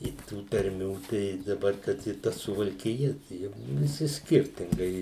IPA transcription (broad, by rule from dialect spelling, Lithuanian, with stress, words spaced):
ɪ ˈtuː tɐrʲˈmʲuː tɐɪ dɐˈbɐr kɐt ɪ ˈtɐ sʊʋɐlʲkʲɪˈjɛ ˈjʊk ʋʲɪˈsʲɪ ˈsʲkʲɪrʲtʲɪŋɡɐɪ